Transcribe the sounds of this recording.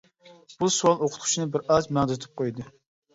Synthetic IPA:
b̥usuwɑlˠoqʰʊt̪ʰu̥t͡ʃʰinɨbɪɾɑzmæŋd̪t̪ʰɪ̥p̚qʰojd̪ɨ

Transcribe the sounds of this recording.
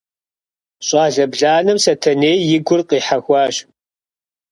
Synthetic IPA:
ɕʼɑːɮɐbɮaːnɨmsɐtʰɐneːjɪɡʷʊrqʼiːħaxʷɑːɕ

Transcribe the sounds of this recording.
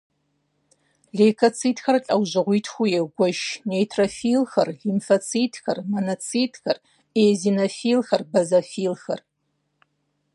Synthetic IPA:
ɮeːkʰɐt͡sʰiːtxɐrɬʼɐwʑɨʁʷiːtʰxʷujeɡʷɔʒnejtʰrofiːlxɐrɮimfɐt͡sʰiːtʰxɐrmonɐt͡sʰiːtʰxɐr | eːzinɐfiːlxɐrbɐzɐfiːlxɐr

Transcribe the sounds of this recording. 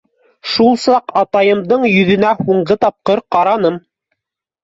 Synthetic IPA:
ʃulˠsɑqɑt̪ɑjɤ̆md̪ɤɴjɵ̆ðɵ̆næhuɴɢɤt̪ɑp̚qɤɾqɑɾɑnɤm

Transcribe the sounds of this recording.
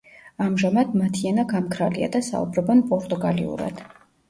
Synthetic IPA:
amʒamad̪mat̪ʰianaɡamkʰɾalia̰d̪asa̰ṵbɾɔbɔnpʼɔɾt̪ʼuɡalḭṵɾa̰d̪̥

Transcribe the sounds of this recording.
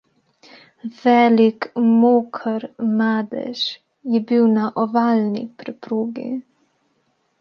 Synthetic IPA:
vɛlikmoːkʰəɾmaːd̪ɛ̰ʃ | jibywnaʔɔvalnḭpɾɛpɾoːɡḛ

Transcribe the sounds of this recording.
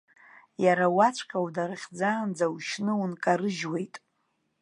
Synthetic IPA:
jaɾawat͡ʃʷʰʼqʲʰʼawdaɾɨχʲd͡zaːnd͡zawʃnɨwunkʼaɾɨʒwe̞jtʼ

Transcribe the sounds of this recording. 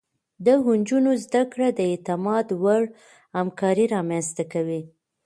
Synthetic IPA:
d̪əɦund͡ʒunozd̪akɽad̪əet̪ɪmɑd̪waɽ | hamkɑɾiɾɑmanst̪akawi

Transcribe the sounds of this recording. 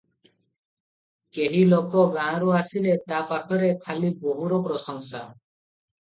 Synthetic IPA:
keɦilokɔɡãɾuasilet̪apaʈʰɔɾekʰaliboɦuɾɔpɾɔsɔŋsa

